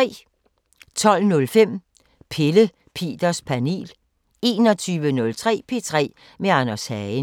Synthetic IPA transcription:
ɛ̰ː | t͡sʰɒ̽l̰nɔ̽lfem̰ | pʰelə | pʰe̝̰ːd̥ɐspʰæne̝̰ːl | e̝ːnɒ̽t͡sʰyːʋənɔ̽lt͡sʰʁɛ̰ːpʰe̝ːt͡sʰʁɛ̰ː | meɑnɐshæ

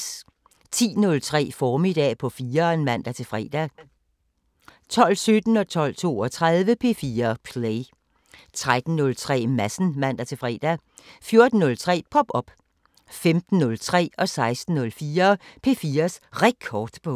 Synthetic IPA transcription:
t͡sʰḭːnɔ̽lt͡sʰʁɛ̰ːfɒːmid̥ɛ̰ːpʰɒ̽fiːɐnmæn̰d̥æt͡sʰe̝fʁɛ̰ːd̥æ | t͡sʰɒ̽l̰sød̥n̩ɒ̽t͡sʰɒ̽l̰t͡sʰo̝̰ːɒt͡sʰʁaðˠʋəpʰe̝ːfiːɐpʰleɪ | t͡sʰʁad̥n̩nɔ̽lt͡sʰʁɛ̰ːmæsn̩mæn̰d̥æt͡sʰe̝fʁɛ̰ːd̥æ | fjo̝ɐd̥n̩ːɔ̽lt͡sʰʁɛ̰ːpʰɒ̽b̥ɒ̽b̥ | femd̥n̩ːɔ̽lt͡sʰʁɛ̰ːɒ̽sɑ̈ɪsd̥n̩nɔ̽lfiːɐpʰe̝ːfiːɐsʁɛkʰɒːd̥pʰɒ̽

